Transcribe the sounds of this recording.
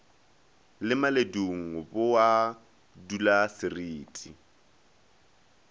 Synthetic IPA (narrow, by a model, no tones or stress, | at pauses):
lɪmaleduŋ̩ɦʊbʊwa | dulasɪriːtʼi